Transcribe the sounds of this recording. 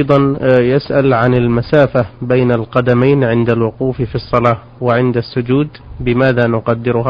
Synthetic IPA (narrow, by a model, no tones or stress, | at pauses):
ʔjd̪ˤɑnjɪsʔalʕanɪlmasaːfabejnalqɑd̪amajnʕɪnd̪alwʊquːffisˤːɑlɑː | wɪʕɪnd̪asːʊd͡ʒuːd̪bɪmaːðanʊqɑd̪ːɪɾʊɦa